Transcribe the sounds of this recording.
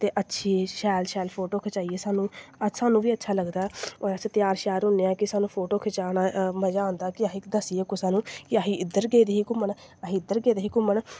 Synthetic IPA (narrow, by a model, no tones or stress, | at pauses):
t̪eːʔətːʃʰiːʃɛːlʃɛːlpʰoːʈoːkʰet͡ʃaːiːeːsaːnũːəsaːnũːʋiːətːʃʰaːləɡd̪aːt̪ɪjaːɾʃɛːɾɦʊneːãːkɪsaːnũːpʰoːʈoːkʰet͡ʃaːnaːməd͡ʒãːnd̪aːkɪaːɦiːd̪əsiːeːkʊsãːnũːkɪaːɦiːɪd̪əɾɡeːd̪eːɦiːkʊmən | aɦiːɪd̪ːəɾɡeːd̪eːɦiːkʊməɳ